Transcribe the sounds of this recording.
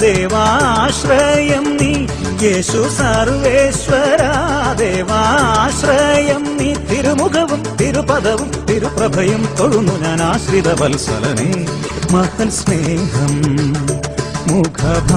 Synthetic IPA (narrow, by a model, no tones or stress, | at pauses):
d̪eːʋaːaːʃɾɐjɐmni | jeːʃusɐɾʋeːʃʋɐɾad̪eːʋaːʃɾɐjɐmnit̪iɾumukʰɐʋt̪iɾupɐd̪ɐʋut̪iɾupɾɐbʱɐjɐmt̪oɭunuɲɐnaːʃɾid̪ɐbɐlsɐ̰lɐ̰neː | mɐhɐlsneːɦɐm | mukʰɐbʱ